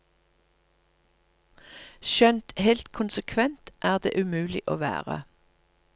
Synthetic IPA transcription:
ʃœnt̪hɛlt̪kʰʊnsəkʰʋɛnt̪ʔæːʁd̪ḛːʔʉmʉːlɪʔoːʋæ̰ːʁə̰

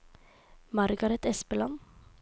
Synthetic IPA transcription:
mɑɾɡɑɾɛt̪ɛspəlɑn

